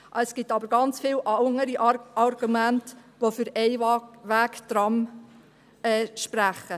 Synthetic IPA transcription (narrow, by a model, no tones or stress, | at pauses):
ɛsɡ̥itɑbəɾɡɑnt͡sfilʔɑŋəɾiʔɑrɡumæntʋofʏɾɛɪʋæːkt̪ɾɑm | ɛːʃpɾæχə